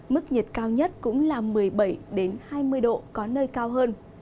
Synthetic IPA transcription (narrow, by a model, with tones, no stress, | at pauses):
mɨ˦˥k̚ɲə˨˩t̚kaː˧wɲə˦˥t̚kʊ̰˧˥ŋ͡mlaː˨˩mɨ˨˩əjɓə˧˩jɗe˨˦nhaː˧jmɨ˧əjɗo̰˧˨kɔ˨˦nəː˧jkaː˧wɦəː˧n